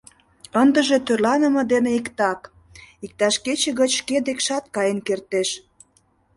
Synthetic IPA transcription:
ənd̪ə̆ʒet̪ørlɑnə̆mɤ̆d̪eneikt̪ɑk | ik̚t̪ɑʃket͡ɕeɣət͡ɕʃked̪ekʃɑt̪̚kɑjənkert̪eʃ

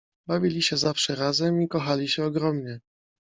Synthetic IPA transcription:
bavʲilʲiɕɛzafʂɛɾazɛmikɔxalʲiɕɛɔɡɾɔmɲɛ

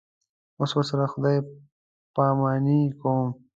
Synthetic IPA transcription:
oswasaɾaxʊd̪aj | paːmɑːnikom

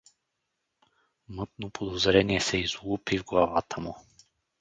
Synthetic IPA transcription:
mɤt̪nopʰod̪ozɾɛniɛsɛizlˠupivɡlˠavat̪ʰəmu

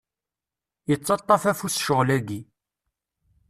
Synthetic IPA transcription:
jət͡sˤːɑt̪ˤːɑfæfusʃəʁlæɡi

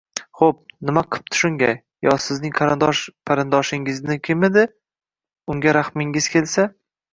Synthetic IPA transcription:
χop̚nɪmaqʰɨ̥p̚t̪ʰʊ̥ʃʊŋɡʲaj | jɒsɪznɪŋqʰɑɾɪnd̪ɒʃpʰaɾɪnd̪ɒʃɪŋɪznɪkʲʰɪmɪd̪ɪ | ʊŋɡʲaɾaχmɪŋɪz̥kʲʰe̞lsa

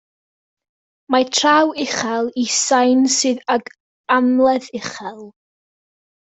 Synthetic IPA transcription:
matʰrawɪχɛlˠisajnsɨːðaɡ | amlˠɛðɪχɛlˠ

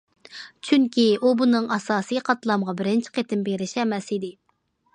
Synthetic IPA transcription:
t͡ʃʰyŋkʲiubunɨŋɑsɑːsijqʰɑt̪lˠɑmʁɑbɪɾɪnt͡ʃʰi̥qʰet̪ɪmbeɾɪʃɛmɛsid̪ɪ

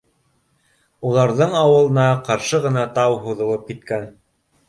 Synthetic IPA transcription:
ulˠɑɾðɤɴɑwɤ̆lˠɤ̆nɑqɑɾʃɤʁɤ̆nɑt̪ɑwɦuðŏlˠɤp̚kit̪kæn

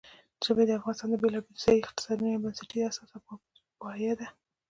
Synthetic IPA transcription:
zəbed̪əafɣɑnɪst̪ɑnd̪əbelɑbelzejɪqt̪ɪ̥sɑd̪iabansɪʈiasɑs | pɑjad̪a

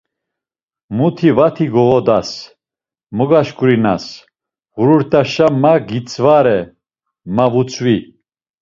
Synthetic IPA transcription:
mut̪ʰivat̪ʰiɡɔvɔd̪as | mɔɡaʃkʼuɾina̰s | ɣuɾuɾt̪ʼaʃamaɡit͡sʼvaɾɛ | mavut͡sʰʼvi

